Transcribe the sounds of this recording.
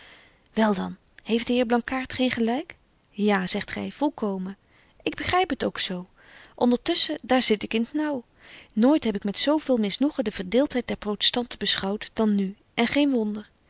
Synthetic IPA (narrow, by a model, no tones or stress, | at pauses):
ʋɛlˠdɑn | hejfdəɦɪːɹblɑŋkaːɹtχejnχəlɛjk | jaːzɛχtχɛ̰jv̥ɔlˠkowmə | ʔɪɡ̚bəχrɛjpətowksow | ʔɔndəɹtɵsədaːɹzɪtɪkɪntnɑw | noːjtɦɛpɪkmɛtsowvɪːlˠmɪsnuχədəv̥əɹdɪːlˠtɦɛj̚dɛɹprowtɛ̥stɑntəbəsχɑwtd̥ɑnːy | ʔɛnχejnʋɔndəɹ